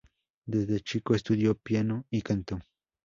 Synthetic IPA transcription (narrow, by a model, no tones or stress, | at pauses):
d̪ezd̪et͡ʃɪkoest̪ud̪jopjanoikant̪oŋ